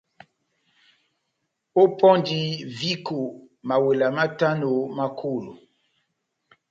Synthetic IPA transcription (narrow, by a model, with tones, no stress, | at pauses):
o˦pɔ˦ndi˦vi˦ko˨ | ma˨we˨la˨ma˦ta˦no˨ma˦kʰo˦˨lo̰˨